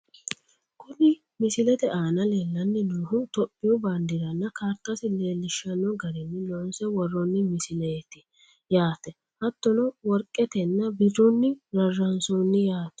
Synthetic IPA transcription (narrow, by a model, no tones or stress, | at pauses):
kʊlɪ | mɪsɪlɛt̪ɛʔaːnɐleːlːɐnːɛnuːhʊt̪ɔpʼːɪjɔband̪ɪɾɐnːɐkaːɾt̪ːɐsɪleːlːɪʃːɐnːɔɡɐɾɛnːɪlɔnsɛwɔrːɔnːɪmɪsɪlɛɛt̪ɪ | jaːt̪ɛ | hɐt̪ːɔnɔwɔɾkʼːɛt̪ɛnːɐbɪdɔnːɪɾɐrːɐnsɔnːɪjaːt̪ɛ̥